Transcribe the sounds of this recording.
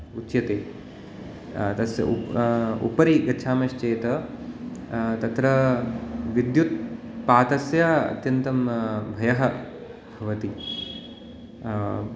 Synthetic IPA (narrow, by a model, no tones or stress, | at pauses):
utːʃjɐt̪eː | t̪ɐsjɐ̰ṵṵpɐɾiɡɐt͡ʃʰaːmɐʃt͡ʃeːt̪ɐ | t̪ɐt̪ɾɐ | ʋid̪jut̪̚paːt̪ɐsjɐɐ̰t̪jɐnt̪ɐmbʱɐjɐɦɐ | bʱɐʋɐt̪i